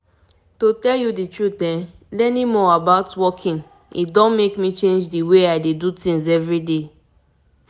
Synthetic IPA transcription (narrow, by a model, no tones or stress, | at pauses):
totɛljuditɹutɛ̃ | lɛnimɔabaʊtwɔkʰĩŋ | ḭtdɔ̃nmekmit͡ʃẽnd͡ʒdiweaɪdedutĩŋzɛvɹide